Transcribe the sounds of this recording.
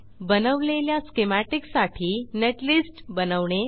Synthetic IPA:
bənəʋleljaskemæʈiksaʈʰiːneʈlisʈbənəʋɳe

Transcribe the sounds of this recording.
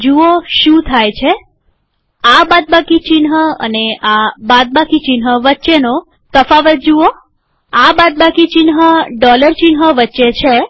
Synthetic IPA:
d͡ʒuoʃũt̪ʰajt͡ʃʰe | abad̪̚bakit͡ʃinɦəə̰neabad̪̚bakit͡ʃinɦəʋətːʃeno | t̪əfaʋət̪̚d͡ʒuo | abad̪̚bakit͡ʃinɦəɖɔləɾt͡ʃinɦəʋətːʃet͡ʃʰe

